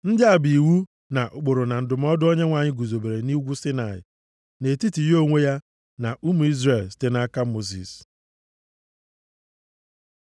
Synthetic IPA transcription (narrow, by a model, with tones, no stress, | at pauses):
n̩˦dɪ˦a˨bi˨wu˦ | na˨ʔo˨k͡po˨ɾo˨na˨n̩˨dʊ˨m˦ɔ˦dʊ˦o˦ɲe˦ŋʷa˨ɲɪ˦ɡʷu˨zo˨be˨ɾe˨ni˦ɡʷu˦sɪ˦na˨ɪ̰˨ | ne˨ti˦ti˨jo˦ŋʷe˦ja˦ | na˨ʔu˦mu˨i˦zɾe˨lste˦na˦ka˦mo˦zḭ˨s